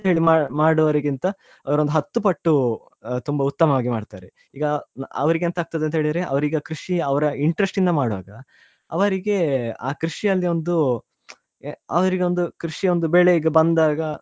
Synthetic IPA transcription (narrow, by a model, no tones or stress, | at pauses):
ɐɦe̞ːɭimamaːɽɐʋɐɾɐɡint̪ɐ | ɐʋɐɾond̪uɦɐt̪ːupɐʈːu | t̪umbɐut̪ːɐmɐʋaːɡimaːɖt̪aːɾe | iːɡɐɐ̰ʋɐɾiɡeent̪ɐɦaːɡ̚t̪ɐd̪ent̪ɐɦeːɭid̪ɐɾe̞ʔɐ̰ʋɐɾiɡeaːkɾuʂiɐʋɐɾɐiɳʈɾɐsʈind̪ɐmaːɽɐʋa̰ːɡɐ | ɐ̰ʋɐɾiɡe̞a̰ːkɾiʂiɐlːio̞nd̪u | ɐʋɐɾiɡe̞o̞nd̪ukɾiʂio̞nd̪ubeːɭeiɡɐbɐnd̪aːɡɐ